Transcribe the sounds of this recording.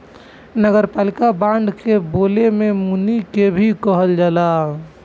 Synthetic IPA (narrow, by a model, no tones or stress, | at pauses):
nəɡəɾpaːlikabãɳɖ̪ʱkebolememunikebʱikəɦəld͡ʒaːla